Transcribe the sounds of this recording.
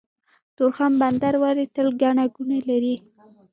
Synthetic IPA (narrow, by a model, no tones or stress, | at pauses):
t̪oɾxamband̪aɾwaɾit̪əlɡaɳaɡunalaɾi